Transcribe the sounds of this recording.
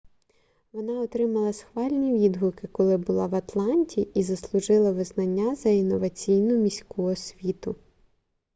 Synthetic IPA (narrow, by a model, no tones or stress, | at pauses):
ʋɔnɑɔt̪ɾɪmɐlˠɐsxʋɑlʲnʲiʋʲid̪ɦʊkɪkɔlˠɪbʊlˠɑʋɐt̪lˠɑnʲtʲiːzɐslˠʊʒɪlˠɐʋɪznɐnʲːazɐinɔʋɐt͡sʲijnʊmʲisʲkuɔsʲʋʲit̪ʊ